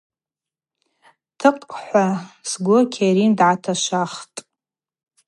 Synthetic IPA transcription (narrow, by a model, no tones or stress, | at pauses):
tʰɨqʼħʷasɡʷʊrkʲʰeɾindʕatʰaʃʷaχtʼ